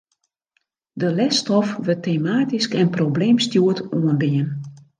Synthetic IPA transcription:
dəlɛstɔfʋøtʰeːmaːtiskɛnprobleːmstjuətuənbiən

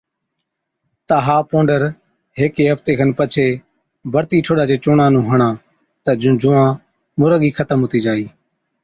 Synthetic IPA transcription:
t̪aɦaːpõːɳɖəɾ | ɦeːkeːɦəft̪eːkʰənpət͡ʃʰeː | bʱəɾt̪iːʈʰoːɗaːd͡ʒeːt͡ʃoːɳãːnũːɦəɳãː | t̪əd͡ʒd͡ʒʊːãː | mʊɾəɠiːkʰət̪əmɦʊːt̪iːd͡ʒaːiː

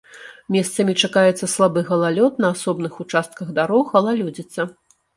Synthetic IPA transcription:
mʲɛst̪sɐmʲit͡ʂakajɛt̪sːɐslˠabɨɣɐlˠalʲɔt̪nɐːsɔbnɨxut͡ʂast̪̚kɐɣd̪aɾɔxɐlˠalʲɔd͡zʲit̪sːɐ

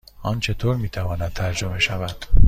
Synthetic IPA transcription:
ʔɒːnt͡ʃʰe̞t̪ʰoːɾmiːt̪ʰævɒːnæd̪̚t̪ʰæɾd͡ʒo̞me̞ʃævæd̪̥

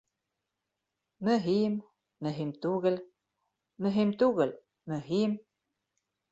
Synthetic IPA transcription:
məɦim | məɦimt̪uɣəl | məɦimt̪uɣəl | məɦim

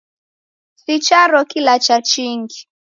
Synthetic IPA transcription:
sit͡ʃaɾɔkilat͡ʃat͡ʃiŋɡi

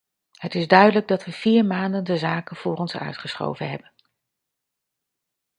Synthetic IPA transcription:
ɦətɪzdœɥdələɡ̚dɑtʋəv̥iːɹmaːndəndəzaːkənv̥ʊːrɔnsœ̰ɥtχəsχo̰wvənɦɛbən

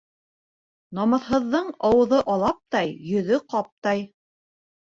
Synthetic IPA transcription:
nɑmɤ̆ðɦɤ̆ðːɤɴɑwɤ̆ðɤʔɑlˠɑp̚t̪ɑjjɵ̆ðɵqɑp̚t̪ɑj

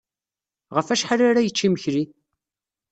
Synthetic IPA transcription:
ʁəfæʃħaɾaɾajət͡ʃːiməçɾi

